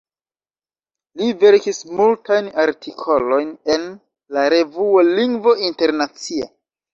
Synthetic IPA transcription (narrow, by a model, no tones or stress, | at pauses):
live̞ɾkismultajnaɾtʰikʰo̞lo̞jne̞n | laɾe̞vuoliŋɡvo̞inte̞ɾnat͡sia̰